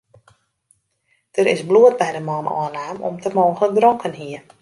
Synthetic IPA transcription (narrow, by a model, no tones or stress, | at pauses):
d̥əɾɪ̰sbluət̚bɛjdəmɔːnɔ̰ənaːmɔ̰mtəmoːŋɣlək̚drɔŋkʰənɦiə